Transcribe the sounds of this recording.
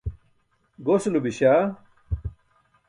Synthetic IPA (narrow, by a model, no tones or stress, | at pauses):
ɡoslubiɕa